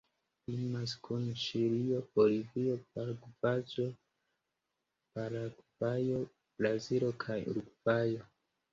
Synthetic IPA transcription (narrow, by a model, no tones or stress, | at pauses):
imas̬kʰunʃiɾio̞b̥o̞livio̞paɾɡuvad͡ʒo̞ | paɾaɡuvajo̞ | b̥ɾazilo̞kʰajṵɾɡvajo̞